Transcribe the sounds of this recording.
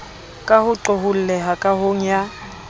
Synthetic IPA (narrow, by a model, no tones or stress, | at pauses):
kʼahʊǁɔɦʊl̩lɛɦakʼaɦoŋ̩ja